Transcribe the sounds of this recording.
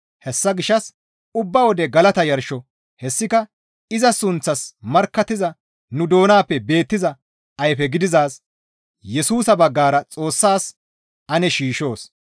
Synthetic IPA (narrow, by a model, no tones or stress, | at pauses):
hɛsːɐɡɪʃːɐs | ʊbːɐwɔd̪ɛɡɐlɐt̪ɐjɐɾʃɔ | hɛsːɪkɐ | ɪzɐsʊnt͡sːɐsmɐɾkːɐt̪ːɪzɐ | nʊd̪o̞ːnaːpːɛbe̞ːt̪ːɪzɐ | ɐjfɛɡɪd̪ɪzaːs | jɛsuːsɐbɐɡːaːɾɐt͡sʼo̞ːsːaːs | ɐnɛʃiːʃo̞ːs